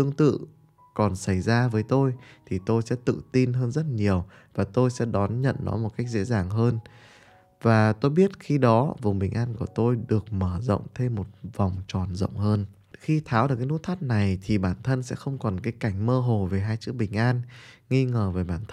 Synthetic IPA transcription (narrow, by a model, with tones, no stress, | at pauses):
t̪ɨ˧əŋt̪ɨ̰˧˨ | kɔ˨˩nsa˧˩jzaː˧vəː˨˦jt̪o˧jt̪ʰi˨˩t̪o˧jsɛ̰˧˥t̪ɨ̰˧˨t̪i˧nɦəː˧nzə˦˥t̚ɲi˨˩əw | vaː˨˩t̪o˧jsɛ̰˧˥ɗɔ˨˦nɲə̰˧˨nnɔ̰˨˦mo˨˩t̚ka˦˥jk̚zḛ˧˥zaː˨˩ŋɦəː˧n | vaː˨˩t̪o˧jɓi˦˥ət̚xi˧ɗɔ˨˦vʊ˨˩ŋ͡mɓï˨˩ŋ̟ʔaː˧nku˧˩ət̪o˧jɗɨ˨˩ək̚məː˧˩zə̰˧˨wŋ͡mt̪ʰe˧mːo˨˩t̚va˨˩wŋ͡mt͡ɕɔ˨˩nzə̰˧˨wŋ͡mhəː˧n | xi˧t̪ʰaː˨˦wɗɨ˨˩kːa˨˦nṵ˧˦˥t̪ʰaː˦˥t̚na˨˩jt̪ʰi˨˩ɓaː˧˩nt̪ʰə˧nsɛ̰˧˥xə˧wŋ͡mkɔ˨˩nkaː˨˦jka˧˩jŋ̟məː˧ɦo˨˩ve˨˩ɦaː˧jt͡ɕɨ˦˥ək̚ɓï˨˩ŋ̟ʔaː˧nŋi˧ŋəː˨˩vəː˨˦jɓaː˧˩nt̪ʰ